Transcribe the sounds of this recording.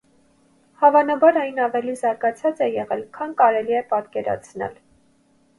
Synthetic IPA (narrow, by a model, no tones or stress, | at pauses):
hɑvɑnɑbɑɾɑjnɑvɛlizɑɾɡɑt͡sʰɑt͡sɛjɛʁɛlkʰɑnkɑɾɛliɛpɑt̪kɛɾɑ̰t͡sʰnɛ̰l